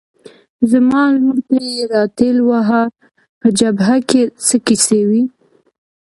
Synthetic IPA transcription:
zəmɑlmuɾt̪ajeɾɑt̪elwaɦa | pəd͡ʒabɦakesəkisewi

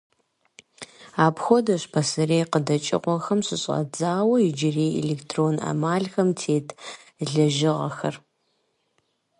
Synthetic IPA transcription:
aːpxʷodɐɕpʰɐsɨreːqədɐt͡ʃʼɪ̰qʷɔxɐmɕɪɕʼɐ̰d͡zaːwɐjɪd͡ʒɪreːḛleːktʰroːna̰maːɮxɐmtʰeːtʰ | ɮɐʒɪʁɐxɐr

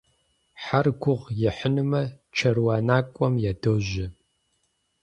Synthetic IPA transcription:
ħarɡʷʊʁjɪħənɨmɐ | t͡ʃʰɐrwaːnaːkʷʼɔmjadoːʒɪ

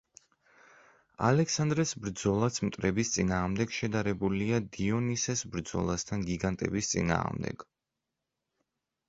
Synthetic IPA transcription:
a̰lɛksand̪ɾɛsbɾd̪zɔlˠasmt̪ʼɾɛbist̪sʼinaːʁmd̪ɛɡ̥ʃɛd̪aɾɛbuliad̪iɔnisɛsbɾd̪zɔ̰lˠast̪ʰanɡiɡant̪ʼɛ̰bist̪sʼḭna̰ːʁmd̪ɛ̰ɡ̥

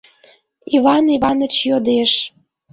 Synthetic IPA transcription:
iβɑniβɑnə̆t͡ɕjod̪eʃ

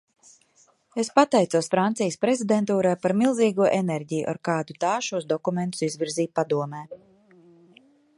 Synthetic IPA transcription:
espat̪ɛjt̪suɔsfɾant̪sijəspɾezid̪ent̪uːɾajpaɾmilˠziːɡuɔʔeneɾɟijṵʔa̰ɾkaːd̪ut̪aːʃuɔsd̪ɔkument̪u̥sizvʲiɾziːt̪̚pad̪uɔmɛː

